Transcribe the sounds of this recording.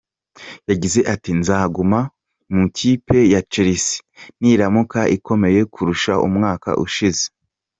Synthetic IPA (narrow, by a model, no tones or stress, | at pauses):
jaɟize̞ʔatinzaːɡuma | mucʰipe̞jat͡ʃeɾisi̥niɾamukaʔikʰo̞me̞je̞kʰuɾuʃaʔṵmŋaːka̰ʔṵʃize